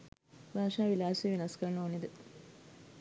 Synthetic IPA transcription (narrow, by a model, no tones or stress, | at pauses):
ʋaːʃaːʋilaːsiːʋinɐskɐɾnuunid̪ə